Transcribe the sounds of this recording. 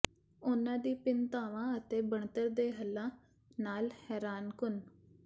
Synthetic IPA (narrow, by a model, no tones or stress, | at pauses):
ʊnãːd̪iːpɪnt̪aːʋãːət̪eːbəɳt̪əɾd̪eːɦəlːãː | naːlhɛːɾaːnkʊn